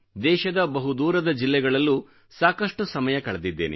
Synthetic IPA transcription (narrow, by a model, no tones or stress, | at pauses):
d̪ɛːʃɐd̪ɐbɐɦud̪uːɾɐd̪ɐd͡ʒilːɛɡɐɭɐlːu | saːkɐʂʈusɐmɐjɐkɐɭɐd̪id̪ːeːnḛ